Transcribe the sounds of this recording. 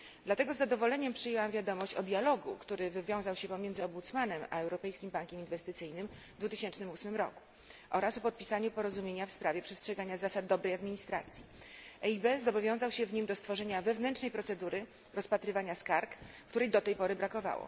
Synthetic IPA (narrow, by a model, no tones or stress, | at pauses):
d̪lat̪ɛɡɔzːad̪ɔvɔlɛɲɛmpʂɘjɛwamvʲjad̪ɔmɔɕt͡ɕɔd̪ʲjalɔɡṵkt̪uɾɘvɘvʲjɔ̃w̃zawɕɛpɔmʲjɛnd̪zɘɔmbut̪smanɛma̰ɛwɾɔpɛjskʲimbaŋkʲɛminvɛst̪ɘt̪sɘjnɘmvd̪vut̪ɘɕɛnt͡ʂnɘmusmɘmɾɔ̰ku̥ | ʔɔɾasɔpɔt̪̚pʲisaɲupɔɾɔzumʲjeɲafspɾavʲjɛpʂɛstʂɛɡaɲazasad̪̚ːɔbɾɛjad̪mʲiɲist̪ɾa̰t̪sʲjiʔɛibɛzɔbɔvʲjɔ̃w̃zawɕɛvɲimd̪ɔst̪fɔʐɛɲavɛvnɛnt͡ʂnɛjpɾɔt̪sɛd̪uɾɘ | ɾɔspat̪ɾɘvaɲaskaɾkkt̪uɾɛjd̪ɔt̪ɛjpɔɾɘbɾakɔva̰wɔ̰